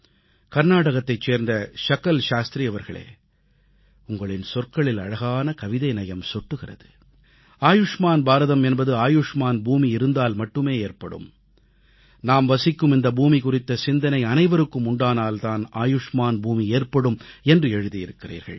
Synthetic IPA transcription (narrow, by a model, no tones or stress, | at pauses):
kɐɾnaːɽɐɣɐt̪ːɐɪt͡ʃːeːɾnd̪ɐʂɐkːɐlʃaːst̪ɾijɐʋɐɾɣɐɭḛː | ʊŋɡɐɭɪnsɔrkɐɭɪlɐɻɐɣaːnɐkɐʋɪðɐɪnɐjɐmsɔʈːɯɣɪrɐ̰ðɯ | aːjʊʂmaːnbaːɾɐðɐmɛnbɐðɯaːjʊʂmaːnbuːmiɪɾɯnd̪aːlmɐʈːɯmeːeːrpɐɽɯ̰m | naːmʋɐsɪkːɯmɪnd̪ɐbuːmikʊrɪt̪ːɐsɪnd̪ɐnɐɪɐnɐɪʋɐɾɯkːɯmʊɳɖaːnaːlt̪aːna̰ːjʊʂmaːnbuːmieːrpɐɽɯmɛndrɯɛɻɯðijɪɾɯkːɪrḭːɾɣɐ̰ɭ